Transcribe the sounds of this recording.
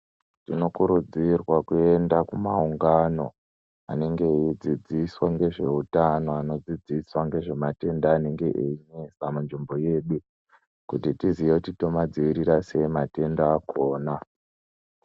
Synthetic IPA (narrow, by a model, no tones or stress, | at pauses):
tino̞kuɾud͡zirwakue̞ndakumauŋɡano̞ | a̰ne̞ŋɡe̞id͡zid͡ziswaŋɡe̞ʐe̞utano̞ano̞d͡zid͡ziswaŋɡe̞ʐe̞mate̞ndaːne̞ŋɡe̞ʔeiɲesamanʐimbo̞je̞ɗu | kutitizijekutito̞mad͡ziʋiɾiɾase̞mate̞ndaːkʰo̞ːna